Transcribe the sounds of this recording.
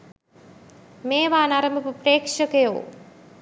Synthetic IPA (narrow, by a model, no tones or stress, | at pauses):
meːʋaːnaɾɐmbʱɐpəpreːkʂəkəjo̰ː